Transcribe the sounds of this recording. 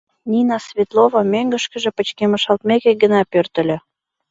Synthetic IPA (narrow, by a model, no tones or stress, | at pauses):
nʲinɑsvʲet̪lovɑmøŋɡə̆ʃkə̆ʒĕpə̆t͡ɕkeməʃɑlt̪mekeɡənɑpørt̪ə̆lʲø̆